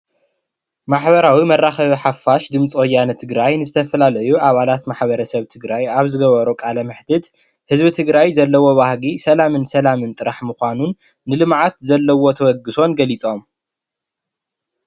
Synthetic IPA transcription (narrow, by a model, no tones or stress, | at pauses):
maħβɐɾawimɐrːaxɐβiħafːaʃd̪ɨmt͡sʼojːanɐt̪ʰɨɡɾajnɨzɨt̪ʰɐfɐlalɐjuʔaβalat̪maħβɐɾɐsɐβt̪ʰɨɡɾajaβzɨɡɐβɐɾukʼalɐmɨħt̪ʰɨt̪ | hɨzbɨt̪ʰɨɡɾajzɐlːɐwo̞βahɡisɐlamɨnsɐlamɨnt̪ʼɨɾaħmɨxʷanunː | ɨlɨmʕat̪zɐlːɐwot̪ʰɐwɐɡːɨso̞nɡɐlit͡sʼo̞m